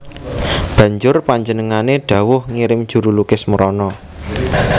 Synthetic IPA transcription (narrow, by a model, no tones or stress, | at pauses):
b̥ä̤ɲd͡ʒʊrpaɲd͡ʒənəŋaneɖ̥ä̤wʊhŋiɾɪmd̥ʒ̥ṳɾulukɪsməɾɔnɔ